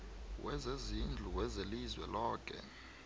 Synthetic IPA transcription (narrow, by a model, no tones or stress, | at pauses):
wʔɛzezind͡ɮʱuwɛzelizwɛ̰lɔːk̬ʰʼɛ̰